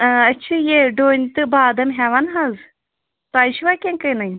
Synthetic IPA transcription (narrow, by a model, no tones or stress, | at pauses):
ɐtːt͡ʃʰɐjeɖoːnʲt̪ɨbaːd̪ɐmɦɛʋanɦaz | t̪aːʃʋakʲẽŋkɐjnɐjʲ